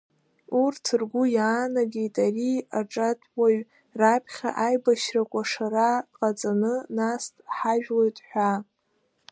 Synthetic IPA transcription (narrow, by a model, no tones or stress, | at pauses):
urtʰɨrɡʷujaːnaɡʲejtʼariaʈ͡ʂʼatʼwaɥ | rapʰχʲa̰ʔajbaʃrakʷʼaʂaɾadqʼat͡sʼanɨnastʼħaʒᶣlojtʼħʷᶣa